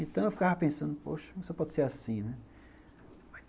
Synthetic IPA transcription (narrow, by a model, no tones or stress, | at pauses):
ẽt̪ɐ̃w̃ewfi̥kavapẽsɐ̃nd̪ʊpo̰ʃɐ̃sepɔd̪ɪseɾasĩnɛ | a